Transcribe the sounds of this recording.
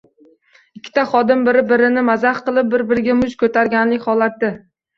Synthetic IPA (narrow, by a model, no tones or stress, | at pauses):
ɪkʲʰːɪ̥t̪aχɒd̪ɪmbɪɾɪbɪɾɪnɪmazaχqɨlˠɪp̚bɪɾbɪɾɪɡʲamʊʃkʰɵt̪ʰaɾɡʲanlɪkʲhɒlˠat̪̚ːɪ